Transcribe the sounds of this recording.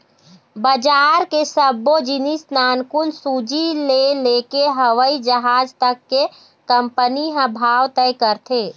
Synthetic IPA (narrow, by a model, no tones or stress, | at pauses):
bəd͡ʒaːɾkesəbod͡ʒinisnaːnkunsud͡ʒilelekeɦəʋəid͡ʒəɦaːd͡ʒt̪əkːe | kəmpəniɦə̃bʱaːwt̪ɛjkəɾt̪ʰe